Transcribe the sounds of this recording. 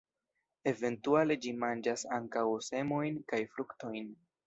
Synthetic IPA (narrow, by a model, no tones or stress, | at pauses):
e̞ve̞ntuale̞d͡ʒimand͡ʒasaŋkawse̞mo̞jnkajfɾukto̞jn